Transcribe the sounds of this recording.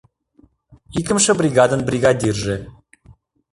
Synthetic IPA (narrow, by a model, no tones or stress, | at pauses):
ikə̆mʃə̆brʲiɡɑd̪ə̆nbrʲiɡad̪ʲirʒe